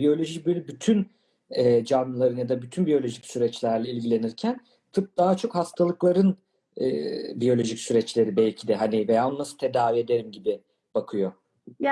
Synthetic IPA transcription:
bijo̞lʲo̞ʒicbølʲybyt̪ʰyn | ɛd͡ʒanlˠaɾɯnjad̪abyt̪ʰynbijo̞lʲo̞ʒicsyɾɛt͡ʃlʲæɾlʲɛilʲɟilʲe̞niɾcʰæn | t̪ʰɯp̚d̪̥aɦat͡ʃʰo̞khast̪ʰalˠɯklˠaɾɯn | ɛ̰ːbijo̞lʲo̞ʒicsyɾɛt͡ʃlʲe̞ɾibɛlʲcʰid̪ɛɦanivejaːonːˠasɯ̥t̪ʰe̞d̪aːvie̞d̪e̞ɾimɟibi | b̥akʰɯjo

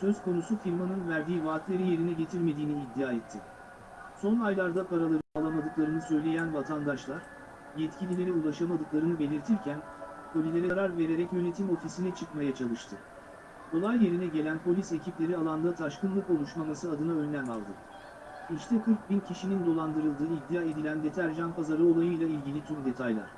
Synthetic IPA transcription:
sø̞zkʰo̞nusufiɾmanɯnvæɾd̪iːivaːt̪lʲe̞ɾije̞ɾinɛɟe̞t̪ʰiɾme̞d̪iːniːd̪ːijaːɛt̪ʰːi | so̞najlˠaɾd̪apʰaɾalˠaɾɯnaːlˠamad̪ɯklˠaɾɯnɯsø̞jlʲe̞jænvat̪ʰand̪aʃlˠaɾ̥ | jɛt̪cʰilʲilʲe̞ɾɛulˠaʃamad̪ɯklˠaɾɯnɯbe̞lʲiɾt̪ʰiɾcʰæn | kʰo̞lʲilʲe̞ɾɛɾaɾve̞ɾe̞ɾɛcjø̞ne̞t̪ʰimo̞fisinɛt͡ʃʰɯkmajat͡ʃʰalˠɯʃt̪ʰɯ | d̪o̞lˠajːe̞ɾinɛɟe̞lʲænpʰo̞lʲise̞cʰiplʲe̞ɾialˠand̪at̪ʰaʃkɯnlˠɯko̞lˠuʃmamasɯad̪ɯnaø̞nlʲæma̰lˠd̪ɯ̰ | iʃt̪ʰɛkʰɯɾk̚bincʰiʃinind̪o̞lˠand̪ɯɾɯlˠd̪ɯːid̪ːijaːe̞d̪ilʲænd̪et̪ʰæɾʒanpazaɾɯo̞lˠajɯjlʲˠailʲɟilʲit̪ʰymd̪e̞t̪ʰajlˠa̰ɾ̝̥

